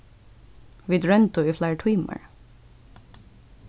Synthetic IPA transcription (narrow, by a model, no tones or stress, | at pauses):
ʋɪd̪ɹɛnt̪ʊiːflæːɹʈʰwiːmə̰ɹ